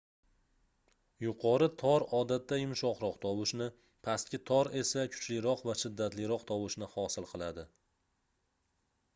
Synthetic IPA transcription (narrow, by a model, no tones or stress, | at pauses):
jʊqʰɒɾɪt̪ʰɒɾɒd̪at̪ːajʊmʃɒqɾɒqt̪ʰɒwɪʃnɪ | pʰast̪̚kʲɪt̪ʰɒɾe̞sakʰʊ̥t͡ʃlɪɾɒqvaʃɪd̪ːat̪lɪɾɒqt̪ʰɒwɪʃnɪhɒsɪlˠqʰɨlˠad̪ɪ